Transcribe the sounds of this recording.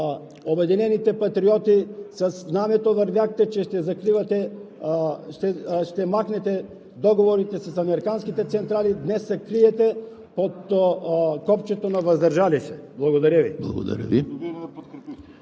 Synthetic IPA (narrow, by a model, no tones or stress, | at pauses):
obɛd̪inɛnit̪ɛpat̪ɾiɔt̪isasznamɛt̪ovəɾvjaxt̪ɛt͡ʃɛʃt̪ɛzakɾivat̪ɛ | ʃt̪ɛʃt̪ɛmaxnɛt̪ɛ | d̪ɔɡovoɾit̪ɛsasɐmɛɾikanskit̪ɛt̪sɛnt̪ɾalid̪nɛsːɛkɾiɛt̪ɛ | pot̪ | kɔpt͡ʃɛt̪onavɐzd̪əɾʒalisɛblˠɐɡod̪aɾaviblˠɐ̰ɡo̰d̪a̰ɾʲə̰vi